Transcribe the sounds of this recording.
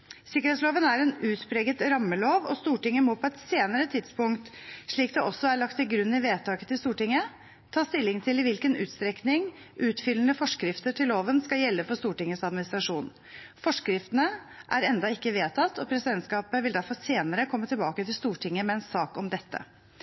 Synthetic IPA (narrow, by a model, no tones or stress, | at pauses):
sɪkːəɾhɛːt̪sloːʋənæɾɛnʉːt̪spɾeːɡət̪ɾɑmːəloːʋɔst̪uːʈɪŋːəmoːpʰɔɛt̪seːnəɾət̪ʰɪd̪spʊŋkt̪ʂɭiːk̚d̪ɛʔɔsːɔæɭɑkt̪ːɪlɡɾʉnːɪʋeːt̪ʰɑːkət̪ɪlst̪uːʈɪŋːə | t̪ʰɑːst̪ɪlːɪŋt̪ʰɪlɪʋɪlkənʉ̰ːt̪st̪ɾɛknɪŋ | ʔʉːt̪fʏlːənəfɔʂkɾɪft̪əʈʰɪllːoːʋənskɑjɛlːəfɔɾst̪uːʈɪŋːəsɑd̪̚mɪnɪst̪ɾɑʂuːn | fɔʂkɾɪft̪ənə | ʔæɾɛnd̪ɑɪkːəʋeːt̪ʰɑt̪ːɔpʰɾɛsɪd̪ɛnt̪skɑːpəʋɪld̪æɾfɔseːnəɾəkʰɔmːət̪ʰɪlbɑːkət̪ʰɪlst̪uːʈʰɪŋːəmɛɛnsɑːkɔmd̪ɛt̪ːə̰